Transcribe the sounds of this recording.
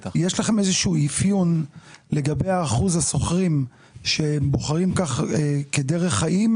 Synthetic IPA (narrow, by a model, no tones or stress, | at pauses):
jeʃlaχe̞mezeʃuːifjunle̞ɡabe̞jaːχuzhaso̞χʁim | ʃembo̞χaʁimkaχekedeʁe̞χhaʔim